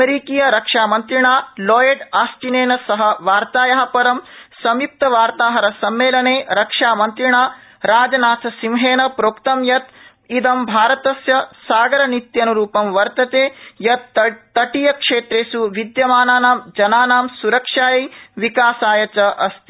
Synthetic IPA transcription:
eɾikiːjɐɾɐkʂaːmɐnt̪ɾiɳaːloːjeɖaːst͡ʃineːnɐsɐɦɐ̆ʋaːɾt̪aːjɐɦɐpɐɾɐmsɐmjup̚t̪ɐʋaːɾt̪aːɦɐɾɐsɐmːeːlɐɳeːɾɐkʂaːmɐnt̪ɾiɳaː | ɾaːd͡ʒɐnaːsʰɐsimɦeːnɐpɾoːkt̪ɐmjɐt̪ | id̪ɐmbʱaːɾɐt̪ɐsjɐsaːɡɐɾɐnit̪jɐnuɾuːpɐmʋɐɾt̪ɐt̪eːjɐt̪ːɐʈijɐkʂeːt̪ɾeːsuʋid̪jɐmaːnaːnaːmd͡ʒɐnaːnaːmsuɾɐkʂaːjɐʋikaːsaːjɐt͡ʃɐʔɐst̪i

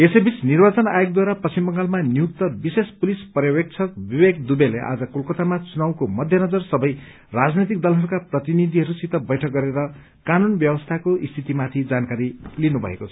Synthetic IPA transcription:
esebisnirbat͡sʌna̰jok̚d̪waɾapʌsimbʌŋɡalmanjuk̚t̪ʌbisespulispʌrjʌwek̚t͡sʰʌk̚bibekd̪ubelḛʔa̰d͡zʌkulkʌt̪amat͡sunaw̃komʌd̪ʱjʌnʌd͡zʌrsʌbʌj | rad͡znit̪̬ik̚d̪ʌlɦʌɾukaprʌt̪inid̪ʱiɦʌɾusit̪ʌbʌjʈʰʌk̚ɡʌɾeɾʌ | kanunbjʌwʌst̪ʰakoʔist̪ʰit̪imat̪ʰid͡zankaɾilinubʱʌ̰ḛkot͡sʰʌ̥

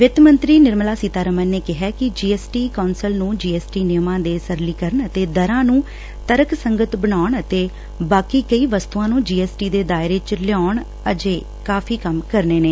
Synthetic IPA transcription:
ʋɪt̪mə̃nt̪ɾiːnɪɾmlaːsiːt̪aːɾəmənneːkɪɦɛːkɪd͡ʒiːɛːsʈiːkoːnsəlnũːd͡ʒiːɛːsʈiːnɪjmãːd̪eːsəɾliːkəɾəɳət̪eːd̪əɾãːnũː | t̪əɾəksəŋɡət̪bənaːɳət̪eː | baːkiːkəiːʋəst̪uːãːnũːd͡ʒiːɛːsʈiːd̪eːd̪aːɪɾeːt͡ʃəɾljaːɳ | əd͡ʒeː | kaːpʰiːkəmkəɾneːneː

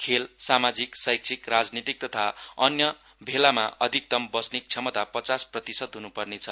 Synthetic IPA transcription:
kʰelsamad͡ziksʌjk̚t͡sʰikrad͡znit̪ik̚t̪ʌt̪ʰaʌnjʌ | bʱelama̰ʔʔʌd̪ʱik̚t̪ʌmbʌsnik̚t͡sʰʌmʌt̪apʌt͡sasprʌt̪isʌd̪ɦunupʌrnet͡sʰʌ

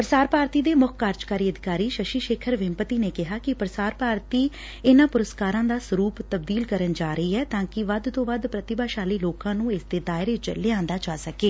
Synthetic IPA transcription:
pəɾəsaːɾpaːɾt̪iːd̪eːmʊkʰkaːɾd͡ʒkaːɾiːəd̪ɪkaːɾiːʃəʃiːʃeːkʰəɾʋɪmpət̪iːneːkɪɦaːkɪpəɾəsaːɾpaːɾt̪iː | ɪnãːpʊɾəskaːɾãːd̪aːsəɾuːpt̪əb̚d̪iːlkəɾənd͡ʒaːɾəiːɛːt̪ãːkɪʋəd̪t̪õːʋad̪pɾət̪ɪbaːʃaːliːloːkãːnũːɪsd̪eːd̪aːɪɾeːd͡ʒə̰lːeːãːnd̪aːt͡ʃaːsəkeː

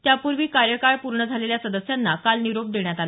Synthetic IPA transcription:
t̪japuɾʋiːkaɾjəkaɾpuɾɳəd͡zʱaleljasəd̪əsjanːakalniɾop̚d̪eɳjat̪ala

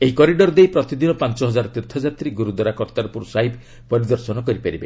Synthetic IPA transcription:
eɦikɔɾiɖɔɾɔd̪ejpɾɔt̪id̪inɔpant͡ʃɔɦɔd͡ʒaɾɔt̪iɾt̪ʰɔd͡ʒat̪ɾiɡuɾud̪ɔɾakɔɾt̪aɾɔpuɾusaɦib | pɔɾid̪ɔɾsɔnɔkɔɾipaɾibe

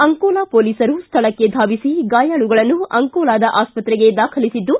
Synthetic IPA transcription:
ɐŋkɔːlaːpoːliːsɐɾust̪ʰɐɭɐkːe̞d̪ʱaːʋisiɡaːjaːɭuɡɐɭɐnːuɐŋkɔːlaːd̪ɐʔaːspɐt̪ɾɛɡe̞d̪aːkʰɐlisid̪ːu

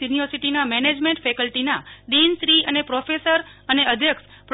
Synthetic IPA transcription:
unijoɾsiʈinamɛned͡ʒmẽɳʈfɛkəlʈinaɖinsɾiənepɾɔfesəɾəneəd̪ʱjəks | pɾ

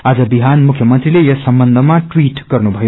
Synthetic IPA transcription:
ad͡zʌbiɦanmukʰjʌmʌnt̪rilejʌsʌmbʌnd̪ʱʌmaʈwiʈɡʌrnubʱʌjo

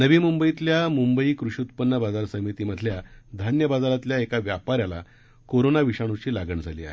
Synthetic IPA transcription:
nəʋiːmumbəit̪ljamumbəiːkɾuʂiut̪pənːəbad͡zaɾsəmit̪iːməd̪ʱljad̪ʱanjəbad͡zaɾat̪ljaekaʋjapaɾjala̰ | koɾonaʋiʂaɽ̃ut͡ɕiːlaɡəɳd͡zʱalḭːa̰ɦe

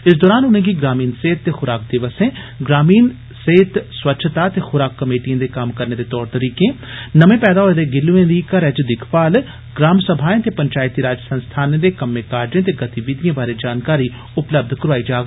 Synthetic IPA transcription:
ɪs̬d̪ɔːɾaːnʊnẽːɡiːɡɾaːmiːnseːt̪̚ːeːxʊɾaːkd̪ɪʋəsẽː | ɡɾaːmiːn | seːt̪swətːʃʰət̪at̪eːxʊɾaːkːəmeːʈijãːd̪eːkəmkəɾneːd̪eːt̪ɔːɾt̪əɾiːkẽː | nəmẽːpɛːd̪aːɦoːed̪eːɡɪlːuẽːd̪iːkəɾɛd͡ʒd̪ɪkʰpaːl | ɡɾaːmsəbʱaːẽːt̪eːpəɲt͡ʃaːɪt̪iːɾaːd͡ʒəsə̃nst̪ʰaːnẽd̪eːkəmẽːkaːɾd͡ʒẽːt̪̬eːɡət̪iʋɪd̪ijãːbaːɾeːd͡ʒaːnkaːɾiː | ʊpləb̚d̪kəɾaːiːd͡ʒaːɡ

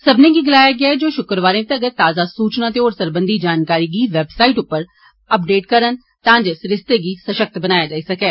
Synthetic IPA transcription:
səbnẽːɡiːɡɪlaːjaːɡɪaːɛd͡ʒoːʃʊkəɾʋaːɾẽːt̪eəɡəɾt̪aːzaːsuːt͡ʃnãːt̪eoːɾsəɾbə̃nd̪iːd͡ʒaːnkaːɾiːɡiːʋɛbsaːiʈʊpːəɾ | əp̚ɖeːʈkəɾən | t̪ãːd͡ʒesɾɪst̪eɡiːsəʃək̚t̪bənaːjaːd͡ʒaːisɐkɛː

